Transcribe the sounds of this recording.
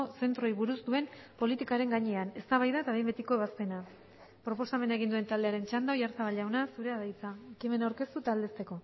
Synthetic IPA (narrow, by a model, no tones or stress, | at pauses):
ose̞nt̪ɾojβuɾuzd̪ue̞mpo̞lit̪ikaɾe̞ŋɡaɲe̞ane̞st̪aβajðaet̪aβejmbe̞t̪iko̞eβaspe̞na | pɾo̞po̞same̞nae̞ɣ̞ind̪ue̞nt̪ald̪e̞aɾe̞nt͡ʃand̪aowjaɾsaβaʎawnasuɾe̞aðajt͡saekime̞nawɾke̞st̪ut̪ald̪e̞st̪e̞ko̞